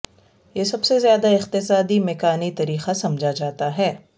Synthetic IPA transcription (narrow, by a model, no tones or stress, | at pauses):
jesɐbsezjaːd̪aɪqt̪ɪsaːd̪imɛːkaːnit̪ɐɾiːxasɐmd͡ʒʱad͡ʒaːt̪aɦɛː